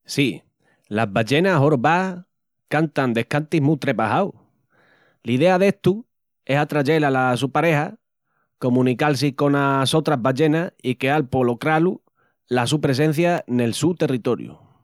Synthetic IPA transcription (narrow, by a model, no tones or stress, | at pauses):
si | laɦβaʝe̞naɦoɾβa | kant̪and̪e̞hkant̪iɦmũt̪ɾe̞pahaw | liðe̞aðe̞ht̪u | e̞sat̪ɾaʝe̞lalasupaɾe̞ha | ko̞mũnikals̬iko̞naso̞t̪ɾaɦβaʝe̞naikealpo̞lo̞kɾalu | lasupɾe̞s̬ẽ̞n̟θjane̞lsut̪e̞rit̪o̞ɾjṵ